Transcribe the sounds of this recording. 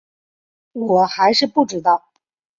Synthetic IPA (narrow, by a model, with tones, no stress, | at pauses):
wɔ˨˩xa˧˥ɪʂɻ̩˥˧pu˥˩ʈ͡ʂɻ̩˧˥t̪ɑ˥˩ʊ